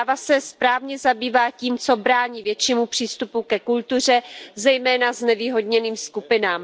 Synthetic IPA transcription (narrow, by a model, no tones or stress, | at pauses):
avasɛspɾaːvɲɛzabiːvaːciːmt͡so̞bɾaːɲiːvjɛt͡ʃiːmupr̥iːst̪upukɛkult̪ur̝ɛzɛjmɛːnaznɛviːɦo̞dɲɛniːmskupɪnaːm